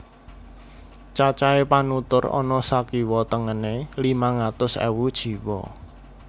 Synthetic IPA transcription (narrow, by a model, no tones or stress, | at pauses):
t͡ʃat͡ʃaepanut̪ʊrɔ̰nɔsakiwɔt̪əŋənelimaŋat̪ʊsɛ̰wud̥ʒ̥i̤wɔ̰